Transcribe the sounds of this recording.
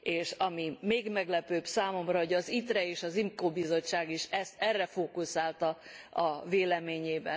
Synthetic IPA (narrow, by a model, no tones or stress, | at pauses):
eːʃɒmimeːɡmɛɡlɛpøːbsaːmo̞mrɒɦo̞ɟɒzit̪rɛeːʃɒzimkoːbizo̞t͡ʃːaːɡiʃɛst̪ɛrːɛfoːkusaːlt̪ɒɒveːlɛmeːɲeːbɛ